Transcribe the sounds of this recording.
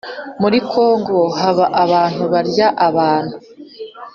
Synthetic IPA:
muɾikʰo̞ːŋɡo̞haβaʔaβaːn̥uβaɾɟaʔaβaːn̥hu

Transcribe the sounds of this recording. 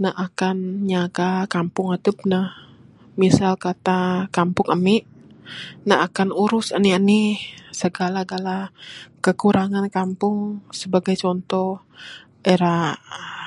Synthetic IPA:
nahʔakanɲaɡakampʊŋət̪up̚nah | misalkat̪akampʊŋəmɪʔ | naakanuɾʊsəniənisəɡalaɡalakəkuɾaŋankampʊŋsəbaɡajt͡ʃɔnt̪ɔh | ʔeɾa

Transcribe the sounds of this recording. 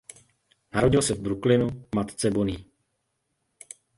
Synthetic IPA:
naɾo̞ɟɪlsɛvbɾuklɪnumat̪t͡sɛboniː

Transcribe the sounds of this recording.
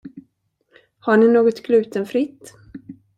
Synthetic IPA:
haɳɪnoːɡɔt̪ɡlʉ̟ːt̪ənfɾɪt̪ː

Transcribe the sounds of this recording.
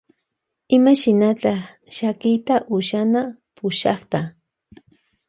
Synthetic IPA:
ɪmaʃɪnat̪ɑ | ʃakɪjt̪aʔʊʃanapʊʃɑ̰χt̪a

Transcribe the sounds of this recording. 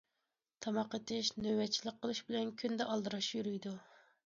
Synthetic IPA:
t̪ʰɑmɑqːət̪ɪʃnøwɛt͡ʃʰːilˠɪk̚qʰːəlˠɨʃbɪlɛnkʲʰynd̪ɛʔɑlˠd̪ɨɾɑʃjyɾyjd̪u

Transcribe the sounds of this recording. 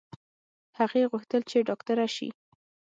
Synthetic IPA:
haɣeɣuxt̪əlt͡ʃeɖɑkt̪aɾaʃḭ

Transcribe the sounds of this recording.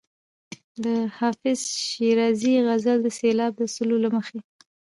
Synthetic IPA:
d̪əhɑfɪzʃiɾɑziɣazald̪əselɑb̚d̪əsəlolaməxe

